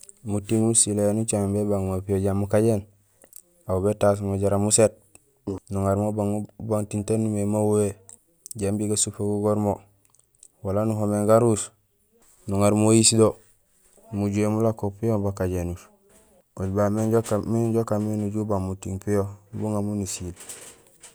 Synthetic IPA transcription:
mutiŋmusilenut͡ʃaŋbebaŋmopijoɟamukaɟen | aubetas̬moɟaɾamuset̚ | nuŋaɾmobaŋbaŋtintenumemawwe | ɟambiɡasufaɡuɡoɾmo | walanuɦomeŋɡaɾus | nuŋaɾmojisdo | muɟuemulakopijobakaɟenuʃ | oɟbameɟokmiɟokaminuɟubamutiŋpijobuŋamunusil

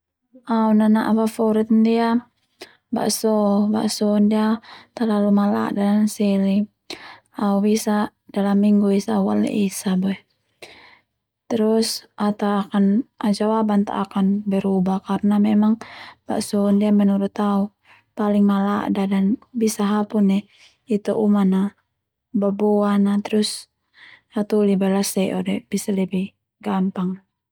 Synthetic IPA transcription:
aunanaʔabafauɾit̪ndia | ba̰ʔsɔba̰ʔsɔndiat̪alalumala̰ʔdadansɛli | aubisa | dalamːiŋɡuisawa̰lɛ̰ʔisabɔɛ | t̪ɛɾusʔat̪awakanad͡ʒawabant̪a̰ʔakanbɛɾubahkaɾnamɛmaŋba̰ʔsɔndiamɛnuɾut̪au | paliŋmala̰ʔdadanbisaɦapunɛ | it̪uʔumana | babɔanat̪ɛɾus | at̪ulibalasɛʔɔdɛb̥isalɛbih | ɡampaŋ

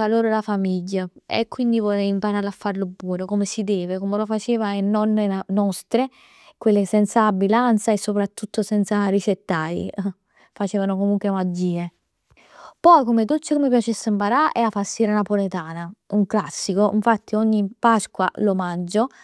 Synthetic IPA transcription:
aloːɾolafamiʎːaḛkːwind̪ivɔleimpaɾaːɾlafːaɾlobwɔːnokomesid̪ɛːvekomelofat͡ʃeːvaenːɔnːeanɔst̪ɾe | kwelːesɛnt̪saːbːilant̪saesːopɾat̪ːut̪ːosɛnt̪saɾit͡ʃet̪ːaj̰ | fat͡ʃɛːvanokomuŋkwemad͡ʒːiːe | pɔjkomed̪ot͡ʃːekomep̬jat͡ʃesːɪmpaɾaʔɛafasːiːɾanapolet̪aːnauŋklasːikoʔḭɱfat̪ːioɲːipaskwa̰lomand͡ʒo

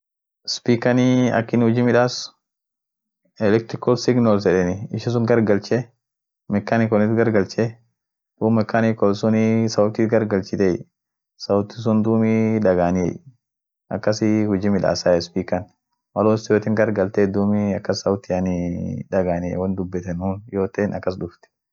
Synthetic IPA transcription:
ɪspiːkɐniɐ̰kːɪnhʊd͡ʒimɪᶑaːs | ɛlɛk̚t̪ɾɪkɔlsɪɡnɔls̬ɛᶑɛnɪɪʃɐs̬ʊŋɡɐɾɡɐlt͡ʃe | mɛkːanikɔnɪt̪ɡɐɾɡɐlt͡ʃe | d̪̥uːmɛkːanikɔlsʊnisɐʊt̪iːt̪ɡɐɾɡɐlt͡ʃɪt̪ej | sɐwʊt̪ːɪs̬ʊnd̪uːmiᶑɐɡaːnɪɛ̰j | ʔɐ̰kːɐsɪhʊd͡ʒimɪᶑa̰ːsaːɛspiːkɐn | mɐloːsjoːt̪ɪŋɡɐɾɡɐlt̪eːd̪uːmiɐkːɐsːɐwʊt̪ːɪɐnɪᶑɐɡaːnɪɛ̰wɐnd̪ʊbːɛt̪ɛnuːnjoːt̪eːnɐ̰kːɐs̬d̪ʊft̪ɛ̥

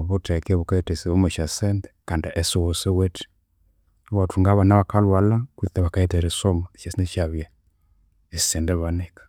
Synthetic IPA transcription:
βutɛkβukaɛtɛsiβɔmɛʃasɛndɛkandiʔɛsɔwɔsɛwɛtʰɛ̥ | watuŋɡaβanaβakalwalakwiθɛβakaɛtɛɾɛsɔmaʃasinɛʃaβja | isɛndɛβanɛkḁ

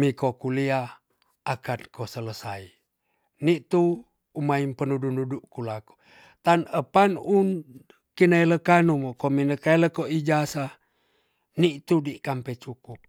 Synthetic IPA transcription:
mikokulia | akankosələsai | niʔt̪uː | maimpənudunuduʔkulaku̥ | t̪anəpanun | kinaeləkanumokominəkaeləkoʔid͡ʒasa | niʔt̪udiʔkampet͡ʃukup̚

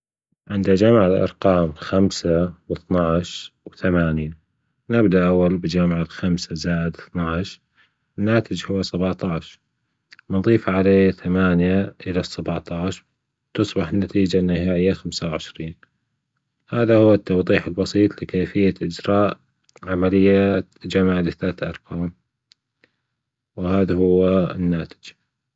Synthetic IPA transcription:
ʕɪnd̪ad͡ʒamʕalʔɑ̰ɾˤqɑːmxamsawɨθnɑʕʃwθamaːnja | nɪbd̪aʔawːalbɪd͡ʒamʕalxamsazaːʔɪd̪ɨθnɑʕʃ | nːaːt̪ɪd͡ʒhʊwːasabʕt̪ˤɑʕʃ | mnðˤiːfʕaleːθamaːnjaʔɪlasːabʕt̪ˤɑːʕʃ | t̪ɨsˤbɑħnːat̪iːd͡ʒanːɪhaːʔɪjːaxamsawʕɪʃɾiːn | haːðahʊwːat̪ːɑwðˤiːħɪlbɑsˤiːt̪ˤlɪkeːfɪjːaʔɪd͡ʒɾɑːʔ | ʕamalɪjːad͡ʒamʕlɪθaːt̪ʔɑ̰ɾˤqɑːm | wɪhaːðahʊwːaɪ̰nːaːt̪ɪ̥d͡ʒ

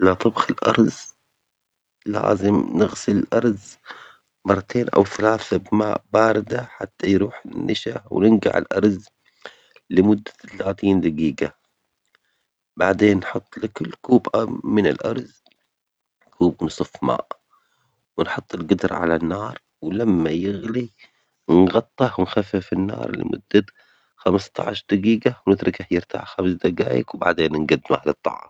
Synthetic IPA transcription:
lat̪ˤɨbxɪlʔɑ̰ɾˤz | la̰ːzɪmnɪɣsɪlɪlʔɑɾˤz | mɑrˤːɑt̪ʰeːnʔa̰wθalaːθabmaːʔbaːɾɪd̪aħat̪ːajɾuːħɪnːʔaʃaw̰nɪnɡa̰ʕɪ̰lʔɑ̰ɾˤz | lɪmʊd̪ːḁt̪alaːt̪iːnd̪aɡiːɡa | baʕd̪eːnːħʊt̪ˤːlɪkʊlːkuːbʔamɪnɪlʔɑɾˤz | kʰuːbnɨsˤɨfma̰ːʔ | wɪnħʊt̪ˤːɪlɡʊd̪ɾ̰ˤʕa̰lanːɑːɾˤ | wlamːajɪɣli | nɣɑt̪ˤːɑhwɪnxafːɪfɪnːɑ̰ːɾˤlɪ̰mʔʊ̰d̪̥ːa | xamst̪ɑ̰ʕaʃɾd̪aɡiːɡawnɪt̪ɾˤɪkaħjɪɾt̪a̰ʕxamsd̪aɡaːjɪ̰kwba̰ʕd̪eːnːɪnɡad̪ːɪmahlɨt̪ˤːɑ̰ʕɑm

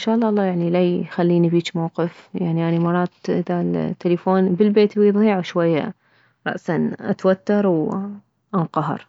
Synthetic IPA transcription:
ʔnʃaːʔlːɑːʔɑlˤːɑːjaʕnilajxalːiːnibiːt͡ʃmawqɨfjaʕniʔanimɑrˤɑːt̪ʔɪðalt̪ːalifoːnbəlbeːt̪wjðˤiːʕuʃwajːa̰ | ɾˤɑ̰ʔsanʔa̰t̪wat̪ːɑɾˤw | ʔanqɑɦɑ̰ɾˤ

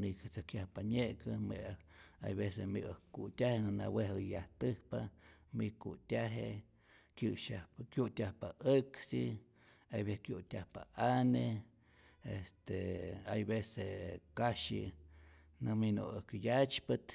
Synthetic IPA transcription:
nikt͡sakjahpaɲeʔkəmḛa̰jβesemiʔəkut̪ʲahenɨna̰weɦəjaht̪ɨhpamikut̪ʲaɦe | kjɨʃahpkjut̪ʲahpaʔəksi | ajβehkjut̪ʲahpa̰ʔane | est̪eajbesekaʃḭ | nɨmino̰ɨkjat͡ʃpɨt̪

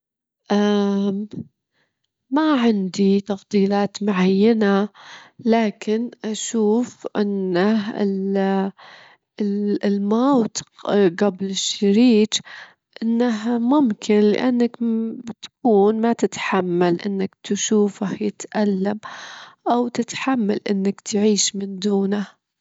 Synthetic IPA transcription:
ʔam | maʕɪnd̪it̪ɑfd̪ˤiːlaːt̪mʊʕajːanalaːkɪnʔaʃuːfʔɪ̰nːaɪ̰l | lmawt̪ɡablɪʃːaɾiːt̪ | ʔɪnːaamʊmkʰɪnlɪ̰ʔanːakbt̪ḁkuːnmat̪ɪt̪ħamːalʔɪ̰nːakt̪ʃuːfahjɪt̪ʔalːamʔawt̪ɪt̪ħamːa̰lʔɪnːakt̪ʰʕiːʃmɪnd̪uːna

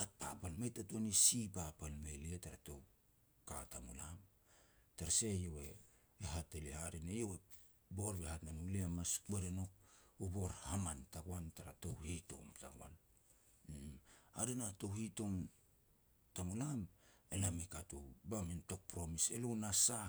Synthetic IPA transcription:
hat̚papalmajtatuanisipapalmelietaɾato̞w | katamulam | taɾase̞jowe̞ː | ɦatelihaɾinejowe | bo̞ɾbehatnanuliamasbeɾeno̞k̚ubo̞ɾhamantaɡwantaɾatowhito̞̰mta̰ɡwa̰n | a̰ɾinato̞hito̞m | tamulamelamikatṵbaminto̞k̚pɾo̞mise̞lonasa

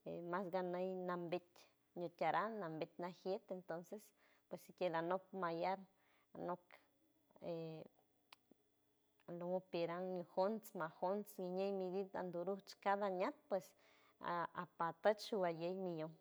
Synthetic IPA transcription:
emasɡanejnambet̪ʲ | ɲot̪ʲaɾʔanambet̪̚ʲnaxjet̪ent̪onses | pwesikelanop̚majaɾ | a̰nok | e | lomopeɾaŋɲoxont͡smaxont͡sɡiɲejmid̪id̪a̰nd̪uɾut͡ʃkad̪aɲat̪̚pwes | a̰pat̪ət͡ʃʃubajejmijoŋ

